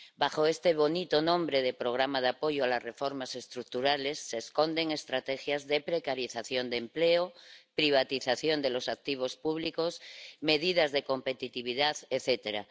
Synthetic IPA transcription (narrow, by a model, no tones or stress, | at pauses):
baxoest̪eβ̞o̞nit̪onõmbɾeð̞epɾoɣ̞ɾamað̞eapo̞ʝoalasrefo̞ɾmase̞st̪ɾuk̚t̪uɾalesːe̞sko̞nd̪e̞ŋest̪ɾat̪exjazðepɾekaɾiθaθjo̞nd̪empleopɾiβ̞at̪iθaθjond̪elo̞sak̚t̪iβ̞o̞spuβ̞likosme̞ðið̞azðeko̞mpet̪it̪iβ̞iðaθeθet̪eɾa̰